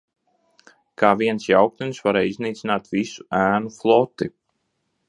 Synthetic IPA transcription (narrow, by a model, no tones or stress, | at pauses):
kaːʋiənsjawk̚t̪ənsfaɾejznitsnatʋisaːnflˠɔtə